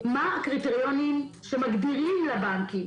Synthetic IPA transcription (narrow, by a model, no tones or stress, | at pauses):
makʁit̪eʁjonimʃemaɡdiʁimlabaŋkim